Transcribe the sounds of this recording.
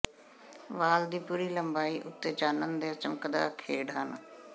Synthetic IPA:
ʋaːld̪iːpuːɾiːləmbaːiːʔʊt̪ːeːd͡ʒaːnənd̪eːt͡ʃəməkd̪a̰ːkʰeːɖɦən

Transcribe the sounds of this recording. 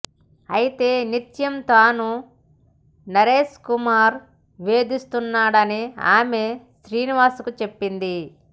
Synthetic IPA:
ɐjit̪e̞ːnit̪jɐmt̪aːnu | nɐɾe̞ːskumaːɾ | ʋe̞ːd̪ist̪unːaːɽɐnia̰ːmesɾiːniʋaːsukut͡ʃe̞pːind̪i

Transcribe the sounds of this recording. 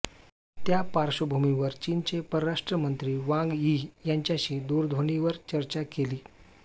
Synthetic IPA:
t̪japaɾɕəbʱumiʋəɾt͡ɕint͡ɕepəɾɾaʂʈɾəmənt̪ɾiːʋãŋɡjijaɲt͡ɕjaɕiːd̪uɾd̪ʱoniʋəɾt͡ɕəɾt͡ɕakeliː

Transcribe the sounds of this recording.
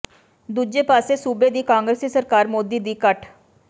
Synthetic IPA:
d̪uːd͡ʒeːpaːseːsuːbeːd̪iːkãːŋɡɾəsiːsəɾkaːɾmoːd̪iːd̪iːkəʈʰ

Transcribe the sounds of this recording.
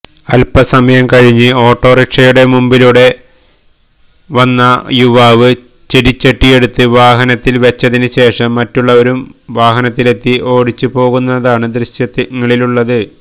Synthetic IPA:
ɐlpɐsɐmɐjɐmkɐɻiɲːɨo̞ːʈːo̞ːrikʂɐjuɽe̞mumbiluɽe̞ | ʋɐnːɐjuʋaːʋɨ | t͡ɕiɾit͡ɕːe̞ʈːije̞ɽut̪ːɨʋaːɦɐnɐt̪ːilʋet͡ɕːɐðinɨɕe̞ːʂɐmːɐtːuɭːɐo̞ɾumʋaːɦɐnɐt̪ːile̞t̪ːiʔo̞ːɽit͡ɕːɨpo̞ːɣunːɐðaːɳɨd̪rɨɕjɐt̪ːŋːɐɭiluɭːɐðɨ

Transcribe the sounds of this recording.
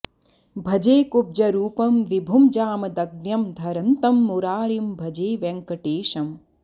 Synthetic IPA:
bʱɐd͡ʒeːkub̚d͡ʒɐɾuːpɐmʋibʱumd͡ʒaːmɐd̪ɐɡ̚njɐmd̪ʱɐɾɐnt̪ɐmːuɾaːɾimbʱɐd͡ʒeːʋɐŋkɐʈeːʃɐm

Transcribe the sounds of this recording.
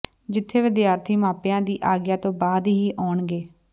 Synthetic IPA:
d͡ʒɪt̪ʰːeːʋɪd̪jaːɾt̪ʰiːmaːpjãːd̪iːʔaːɡjaːt̪õːbaːd̪ɦiːʔaːɳɡeː

